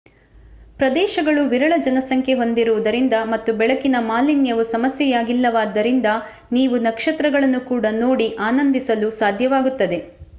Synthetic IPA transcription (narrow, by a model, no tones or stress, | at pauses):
pɾɐd̪ɛːʃɐɡɐɭuʋiɾɐɭɐd͡ʒɐnɐsɐŋkʰe̞ɦo̞nd̪iɾuʋud̪ɐɾind̪ɐmɐt̪ːubɛɭɐkinɐmaːlinjɐʋusɐmɐsjɛjaːɡilːɐʋaːd̪ːɐɾind̪ɐ | niːʋunɐkʂɐt̪ɾɐɡɐɭɐnːukuːɽɐno̞ːɽiʔaːnɐnd̪isɐlusaːd̪ʱjɐʋaːɡut̪ːɐd̪e̞